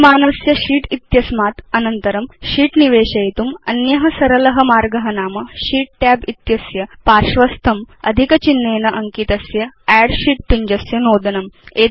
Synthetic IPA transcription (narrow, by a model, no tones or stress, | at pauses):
maːnɐsjɐɕiːʈit̪jɐsmat̪ɐnənt̪əɾɐmɕiːʈniʋeːɕɐjit̪uːmɐ̰njɐɦɐsɐɾəlɐɦəmaːɾɡɐɦɐnaːmɐɕiːʈ̚ʈɛbit̪jɐsjɐpaɾʂʋɐst̪ʰɐmɐ̰d̪ʱikət͡ɕinːeːnɐʔɐŋkit̪ɐsjɐæɽɕiːʈ̚piɲd͡ʑɐsjɐnoːd̪ɐnɐme